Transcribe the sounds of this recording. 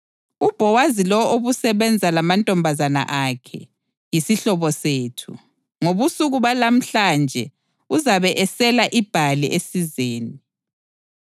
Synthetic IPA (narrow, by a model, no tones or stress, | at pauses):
ub̥ʱɔwazilɔwʔoβusɛβɛnd͡zʱalamantʼɔmbʱazana̰ʔakʰɛ̰ | jisiɬɔβɔseːtʰṵ | ŋoβusuɣuβalam̩ɬaːnd͡ʒʱɛ | uzaβɛʔɛsɛlaʔib̥ʱaliʔesizeːni